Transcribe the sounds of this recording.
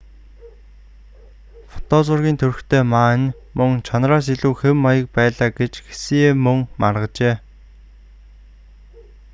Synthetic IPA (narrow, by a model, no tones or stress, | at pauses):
fɔ̥t̪ɔːt͡sʊrɣʲiːnt̪ʰɵrxt̪ʰeːmaːnʲ | mɵŋt͡ɕʰanraːs̬iɮuːxemːajə̆k̚pæːɮaːɡet͡ɕxe̥siːeːmɵŋmarʁə̆t͡ɕeː